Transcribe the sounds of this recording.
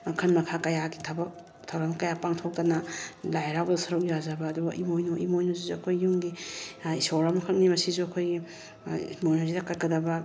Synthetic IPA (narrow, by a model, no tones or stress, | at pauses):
kʰɐnmɐkʰakɐjaɡitʰɐbɐk̚ | tʰawɾaŋkɐjapaŋtʰok̚dɐnɐlajɾawbdɐsɐɾuk̚jazɐbɐːduɡɐʔimojnoʔimojnuzizuɐkʰojːuŋɡiisoɾamɐkʰɐk̚nimɐsizuɐkʰojɡi | mojnuzidɐkatkɐdɐbɐ